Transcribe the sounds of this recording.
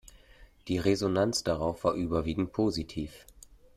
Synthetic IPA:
d̥iːʁezonant͡sd̥aʁaʊfv̥aːɐʔyːbɐviːɡŋ̩t̚pʰoːzitʰiːf

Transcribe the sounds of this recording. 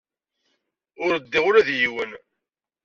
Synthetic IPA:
ʊɾəd̪ːiʁʊɾæðjiwən

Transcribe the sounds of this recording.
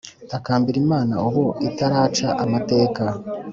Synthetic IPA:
takaːmbiɾimaːnauβoitaɾaːt͡ʃaʔamate̞ːka

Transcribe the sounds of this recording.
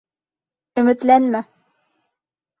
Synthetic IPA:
ɵ̆mɘ̆t̪lænmæ

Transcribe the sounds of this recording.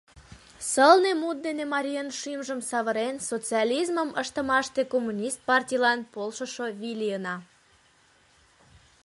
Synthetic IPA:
səlnemut̪̚d̪enemɑɾʲiənʃimʒəmsɑβəɾensot͡siɑlʲizməməʃt̪əmɑʃt̪ekomːunʲist̪̚pɑrtʲijlɑnpolʃəʃoβilʲiənɑ

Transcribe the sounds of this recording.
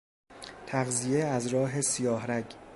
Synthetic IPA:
t̪ʰæɣzijeæzɾɒːɦe̞sijɒːɦɾæɟ

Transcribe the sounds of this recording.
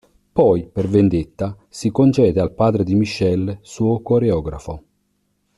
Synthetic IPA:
pɔjpervend̪et̪ːa | sikont͡ʃɛːd̪ealpaːd̪ɾed̪imiʃːɛlsuːokoɾeɔːɡɾafo

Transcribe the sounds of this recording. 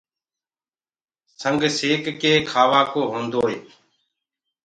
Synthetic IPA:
səŋɡʱseːkkeːkʰaːʋaːkoːɦõːnd̪oːeː

